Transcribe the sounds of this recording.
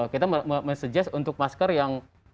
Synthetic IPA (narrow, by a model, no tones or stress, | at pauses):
kit̪aməməməsəd͡ʒasunt̪ʊk̚maskərjaŋ